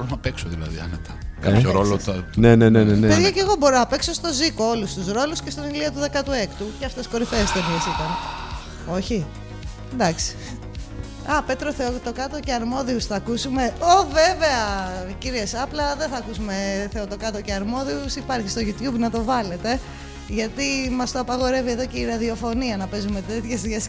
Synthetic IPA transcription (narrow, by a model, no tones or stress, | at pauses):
ɾonɐpeksoðilɐ̰ðḭɐ̰net̪ɐ̥kɐçoɾo̞loɐnenenenenepeðʝɐceɣo̞bo̞ɾonɐpe̞kso̞st̪o̞ziko̞olust̪usɾo̞lusce̞st̪oniliot̪uðe̞kɐt̪ue̞kt̪uceɐft̪esko̞ɾiθeːst̪eviesit̪ɐn | o̞çi | d̪ɐksi̥ | ɐpe̞t̪ɾo̞θeot̪o̞kɐt̪oceɐɾmo̞ðiusθɐkusume̞oveve̞ɐciɾiesɐplɐðenθɐːkusume̞θeot̪o̞kɐt̪oceɐɾmo̞ðiusipɐɾçist̪oʝut̪çubnɐt̪o̞vɐle̞t̪e̞ | ʝɐt̪imɐst̪oɐpɐɣo̞ɾe̞vieðo̞ce̞iɾɐðio̞fo̞niɐnɐpe̞zume̞t̪e̞t̪çezðʝes